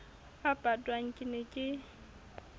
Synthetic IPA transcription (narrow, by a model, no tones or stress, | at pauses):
apʼadʼwaŋ̩kʼɪnekʼɪ